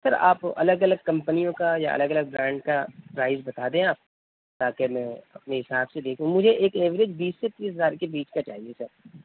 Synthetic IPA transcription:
sɐɾa̰ːpɐ̰ləɡɐləɡ̚kɐ̃mpənijõkaja̰ʔɐ̰ləɡɐləɡ̚bɾãːɳɖkapɾaːɪzbɐt̪aːd̪ẽaːp̚ | t̪aːkemɛ̃ːɐ̰pneɦɪsaːbsed̪eːkʰũmʊd͡ʒʱeʔeːkeːʋɪɾed͡ʒbiːsːet̪iːsɦɐzaːɾkebiːt͡ʃkat͡ʃaːɦiesɐɾ

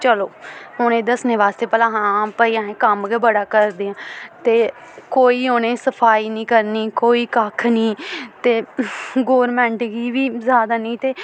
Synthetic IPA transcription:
t͡ʃəloːɦoñẽːd̪əsneːʋaːst̪eːpɛːlãːɦãːpəiːãːẽːkəmɡɛbəɽaːkəɾd̪eːãːt̪eː | koːiːɦoːnẽːsəpʰaːiːnĩːkəɾniːkoːiːkəkʰniːt̪eːɡoːɾmɛ̃ːɳʈɡiːʋiːzjaːd̪aːnĩːt̪eː

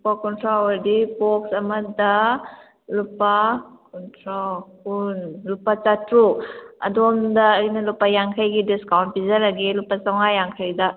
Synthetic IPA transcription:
upakɔntʰɾawɐɾdipoksɐmɐdɐ | lupakɔntʰɾokunlupat͡ʃatɾuɐ̰domdɐːjnɐlupajaŋkʰɐjɡidiskawnt̚pizɐlaɡelupasawŋajaŋkʰɐjdɐ

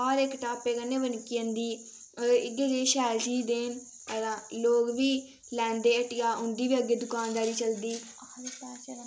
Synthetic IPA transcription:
ɔːɾɪkʈaːpeːkənːeːʋənkiə̃nd̪iː | ɪɡeːd͡ʒeːʃɛːɾd͡ʒiːd̪eːn | əɾãːloːɡʋiː | lɛ̃ːnd̪eːəʈɪjaːʊɳɖiːʋiːəɡeːd̪ʊkaːnd̪aːɾiːt͡ʃəld̪iː

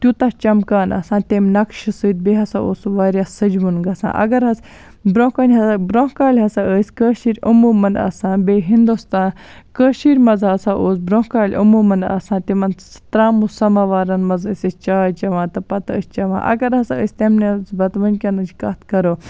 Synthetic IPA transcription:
t̪ʲjut̪ɐt͡ʃɐmkaːnɐ̰sãːt̪ʲemʲnɐkʃisɨːt̪̚beɦɐsãːoːsʋaːɾʲjasɐd͡ʒʋunɡɐsã̰ːʔɐ̰ɡɐɾɦɐs | bɾõːkɐnʲɦɐsabɾõkaːlʲɦɐsaəːsʲkəːʃiːɾʲɐmuːmɐndɐ̰sãːnbeːɦind̪ust̪ãːn | kəːʃiːɾʲmɐzɦɐsãːʔoːsbɾõkaːlʲʔɐmuːmɐnɐ̰sãːt̪imɐnt̪ɾaːmussɐmaːʋaːɾɐnmɐzəːsʲɐt͡ʃaːt͡ʃɐʋãːt̪ɐpɐt̪ə̰sʲt͡ʃɐʋã̰ːʔɐ̰ɡɐɾɦɐsaəːsʲt̪emnet͡sbɐt̪ʋɐnʲkʲɐnɨt͡ʃkɐt̪ʰkɐɾoː

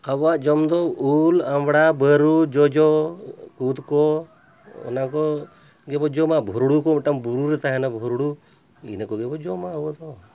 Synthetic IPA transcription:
abaʔd͡ʒɔmd̪ɔulamɽabəɾud͡ʒɔd͡ʒɔkud̪kɔ | ɔ̰nakɔ | ɡɛbɔd͡ʒɔmabʱɔɾɽukɔmʈambuɾuɾɛt̪aɦɛnabʱɔɾɽu | ḭnakɔɡɛbɔd͡ʒɔmabɔd̪ɔ

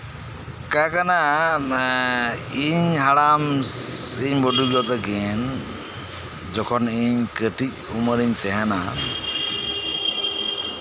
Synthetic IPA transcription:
kakana | iɲɦaɽam | iɲbɔɖuɡɔt̪ɔɡɛn | d͡ʒɔkʰɔniɲkəʈic̚uməɾiɲt̪ɛɦana

